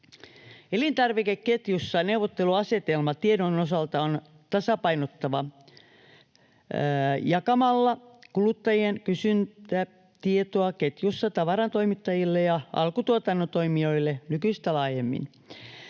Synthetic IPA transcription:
elint̪ɑrʋikekket̪jusːɑneuʋot̪ːeluɑse̞t̪elmɑt̪iedonosɑlt̪ɑon | t̪ɑsɑpɑinot̪ːɑʋɑ | jɑkɑmɑlːɑkulut̪ːɑjienkysynt̪æ | t̪iet̪oɑket̪jusːɑt̪ɑʋɑɾɑnt̪o̞imit̪ːɑjilːejɑʔɑ̰lkut̪uot̪ɑnːot̪o̞imio̞ilːenykyist̪ælɑːjemːḭn

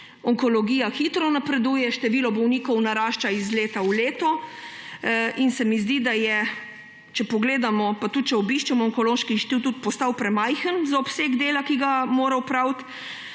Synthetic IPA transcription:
ɔŋkɔlɔɡiːjaxit̪ɾɔnapɾɛd̪uːjɛʃt̪ɛʋiːlɔbɔwniːkɔwnaɾaːʃt͡ʃaizleːt̪auleːt̪ɔ | ʔinsɛmizd̪id̪ajɛ | t͡ʃɛpɔɡleːd̪amɔpat̪ut̪̚t͡ʃɛɔbiʃt͡ʃɛmɔːŋkɔloːʃkiʃt̪it̪ut̪̚pɔst̪awpɾɛmajxənzaɔpseɡd̪eːlakiɡamoːɾawpɾawt̪

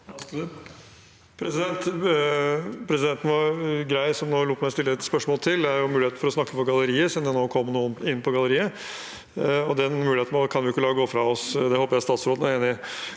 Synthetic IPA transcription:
pʰɾɛsɪd̪ɛnt̪ | pʰɾɛsɪd̪ɛnt̪n̩ʋɑɾɡɾæɪsɔmnoːluːt̪mæɪɔst̪ɪlːəɛt̪spœʂmoːlt̪ʰɪld̪ɛæɾjʊmʉlɪeːt̪n̩fɔɾɔsnɑkːəpɔɡɑləɾiːəsɪmd̪ɛnoːkʰɔmːnuːənɪnːpʰɔɡɑləɾiːə | ɔd̪ɛnmʉlɪhet̪n̩ːkʰɑnʋɪjɪkːəlɑːɔɡoːfɾɑɔsd̪ɛhoːpəɾjæst̪ɑːt̪sɾoːd̪næɾeːnɪ

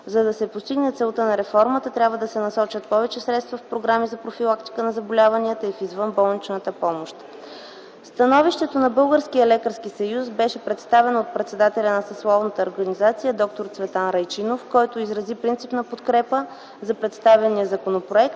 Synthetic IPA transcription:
zɐd̪ɐsɛpost̪iɡnɛt̪sɛlˠt̪ənɐɾɛfɔɾmət̪ət̪ɾʲabvəd̪ɐsɛnɐsɔt͡ʃət̪̚pɔvɛt͡ʃɛsɾɛt̪st̪vəfpɾoɡɾamizɐpɾofilˠakt̪i̥kənɐzɐbolʲavɐniət̪əifizvɤnbɔlˠnit͡ʃnət̪əpɔmoʃt̪ | fst̪ɐnɔviʃt̪ɛt̪onɐbɤlˠɡəɾskijəlɛkəɾsk̟isɐjusbɛʃɛpɾɛt̪st̪avɛnot̪̚pɾɛt̪sɛd̪at̪ɛlʲɐnɐsɐslˠɔvnət̪əoɾɡɐnizat̪sijəd̪ɔk̚t̪oɾt̪svɛt̪anɾɐjt͡ʃinofkɔjt̪oizɾɐzipɾint̪sipnɐpot̪kɾɛpə | zɐpɾɛt̪st̪avɛnijəzɐkonopɾoɛkt̪

